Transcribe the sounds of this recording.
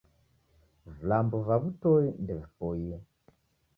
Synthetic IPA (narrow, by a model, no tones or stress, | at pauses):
vulambuvaβutoindevupoje